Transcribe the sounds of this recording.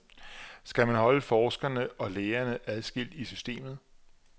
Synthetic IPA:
sɡ̥æmænhɒ̽ləfɒːsɡ̥ɐnəʔɒ̽leːɐnəʔæð̞ˠsɡ̥il̰d̥isysd̥e̝̰ːmð̞̩ˠ

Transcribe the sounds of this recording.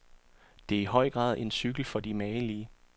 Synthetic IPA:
d̥e̝æɐiɦɒ̽ɪ̰ɡ̥ʁɑ̰̈ːðˠe̝nsyɡ̥l̩fɒ̽d̥imɛːliːə

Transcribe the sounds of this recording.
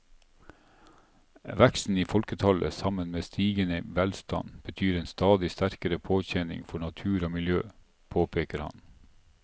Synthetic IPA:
ʋækst̪n̩iːfɔlkət̪ʰɑlə̰sɑmənmeːst̪ʰiːɡənəʋɛlst̪ɑ̰nb̥ət̪ʰyːɾeːnst̪ɑːd̪ɪst̪æɾkəɾəpʰoːçɛnɪ̰ŋfɔɳɑt̪ʰʉːɾoːmɪljøː | pʰoːpʰeːkəɾhɑ̰n

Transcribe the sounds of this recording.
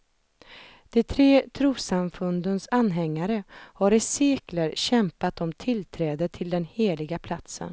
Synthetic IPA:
d̪̥ɛt̪ʰɾeːt̪ʰɾuːsamfɵnd̪ənsanːɦɛŋːaɾəhaɾɪseːkləɾɕɛmpat̪ɔmt̪ʰɪlt̪ʰɾɛːd̪ət̪ʰɪld̪ɛnheːlɪɡapʰlat̪sə̰n

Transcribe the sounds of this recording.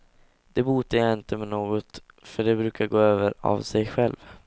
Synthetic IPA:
d̪̥ɛbuːt̪ːəjaɪnt̪əmɛnoːɡɔt̪ | fœɖɛbɾʉ̟ːkaɡoːøːvəɾa̰vsɛjɧɛlv

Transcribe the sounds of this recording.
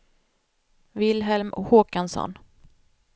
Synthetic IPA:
vɪlɦɛlmɔ̰hoːkansɔ̰n

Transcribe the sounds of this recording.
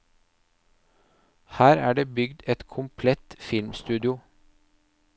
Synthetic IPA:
hæːɾæːɖeːbʏɡd̪ɛt̪kʰʊmpʰlɛt̪fɪlmst̪ʉːd̪ɪʊ

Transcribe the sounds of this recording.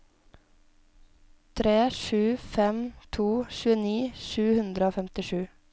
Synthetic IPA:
t̪ʰɾeːʃʉːfɛmt̪ʰuːʃʉːəniːʃʉːhʉnd̪ɾəoːfɛmt̪ɪʃʉː

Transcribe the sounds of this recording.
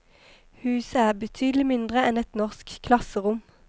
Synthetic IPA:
hʉːsəæːʁbət̪ʰyːd̪əl̩ɪmɪnd̪ʁəɛnɛt̪nɔʁskʰlɑsəʁʊm

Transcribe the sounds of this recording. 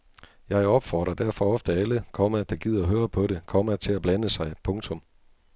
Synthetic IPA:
jɑ̈ɪɒ̽b̥fɒ̰ːd̥ʁɐd̥æɐfɒ̽ɒ̽fd̥əæləkʰɒ̽mæd̥ɑ̈ɡ̥ið̞̰ˠɐɦøːɐpʰɒ̽ɾe̝kʰɒ̽mæt͡sʰe̝læb̥lænəsɑ̈ɪpʰɔ̽ŋt͡sʰɔ̽m

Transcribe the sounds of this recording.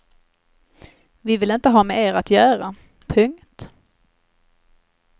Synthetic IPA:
vɪvɪlɪnt̪əɦɑːmɛʔeːɾat̪jœːɾa | pʰɵŋt̪

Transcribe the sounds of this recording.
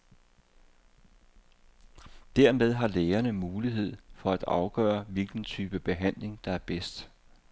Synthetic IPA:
d̥æɐ̰með̞ˠɦɑ̈leːɐnəmuːliɦe̝ð̞̰ˠfɒ̽æd̥ɑ̈ʊɡ̥œːɐʋilɡ̥n̩t͡sʰyːb̥əb̥e̝ɦæn̰le̝ŋd̥ɑ̈æɐb̥esd̥

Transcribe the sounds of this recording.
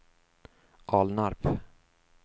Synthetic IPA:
ʔɑːlnaɾp

